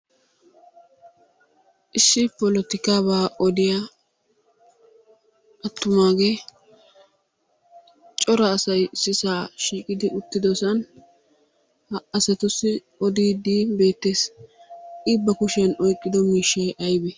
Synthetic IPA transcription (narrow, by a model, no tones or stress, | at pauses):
ʔɪsːɪpɔlɔt̪ɪkaːbaːʔɔd̪ɪja | ʔɐt̪ːʊmaːɡeː | t͡ʃʼɔɾɐːsɐjsɪsaːʃiːkʼɪd̪ɪʔʊt̪ːɪd̪ɔsɐn | ɐsɛt̪ʊsːɪ | ɔd̪iːd̪iːbe̞ːt̪ːe̞ːs | iːbːɐkʊʃɪjɐnɔjkʼːɪd̪ɔmiːʃːeʔɐjbɛ